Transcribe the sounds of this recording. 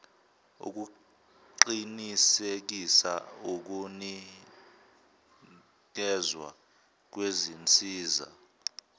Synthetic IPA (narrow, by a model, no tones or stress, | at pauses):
ṵk̬u | ǃinisek̬isa̰uk̬uni | k̬ɛzwa̰ | k̬wezint͡sʼiːza̰